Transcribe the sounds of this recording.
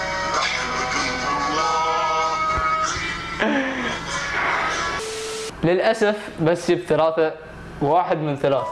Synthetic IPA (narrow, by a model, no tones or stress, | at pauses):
lɪlʔasaf | basːibθalaːθa | waːħɪd̪mɪnθalaːθḁ